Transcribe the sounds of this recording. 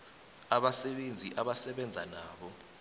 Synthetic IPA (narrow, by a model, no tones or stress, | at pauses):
aɓasɛɓend͡zʱiʔaɓasɛɓɛnd͡zʱanaːɓɔ